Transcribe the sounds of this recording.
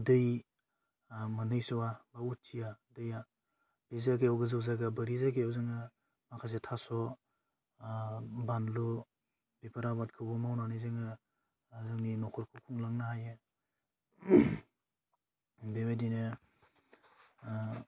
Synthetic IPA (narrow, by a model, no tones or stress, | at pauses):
dɯj | manɯjsɔwabaut̚t͡ʃiadɯja | b̥ezakejawɡɯzɯwzaɡabəɾizakejawzɯŋɯ | makʰas̬etʰasɔ | banlu | bepʰaɾabat̚kʰɯbɔmawnanɯjzɯŋɯ | zɯŋninɔkʰɔɾkʰukʰuŋlaŋnahajɯ | bebedinɯ